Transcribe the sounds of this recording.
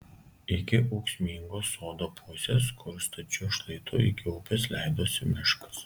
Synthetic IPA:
ɪkʲɪʔɐʊksʲmʲiːŋɡoːsoːd̪oːpʰʊsʲeːskʰɔlst̪ɐt͡ʃʲʊʃlˠɐɪt̪ʰʊɪkʲɪʊpʲɛslʲæˑɪd̪oːsʲɪmʲɪʃkɐ̥s

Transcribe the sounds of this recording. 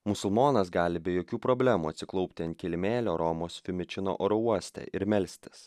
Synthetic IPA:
mʊsʊlˠmoːnɐsɡɑːlʲɪbʲɛjoːkʲuːpɾobʲlʲæːmuːɐt̪ʲsʲɪklˠɔʊpʲt̪ʲɪɐnt̪ʲkʲɛlʲɪmʲeːlʲoːɾɔːmoːsfʲɪmʲɪt͡ʃʲɪno̰ʔoːɾɔuɔsʲt̪ʲɛ̰ʔɪɾmʲɛlʲsʲt̪ʲɪ̥s

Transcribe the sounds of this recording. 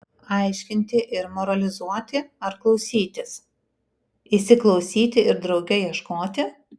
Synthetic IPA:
ɐˑɪʃʲkʲɪnʲt̪ʲɪʔɪɾmɔɾɐlʲɪzuɔt̪ʲɪɐɾklˠɒʊsʲiːt̪ʲɪs | ɪsʲɪklˠɒʊsʲiːt̪ʲɪɪɾd̪ɾɒʊɡʲɛjiɛʃkoːt̪ʲɪ

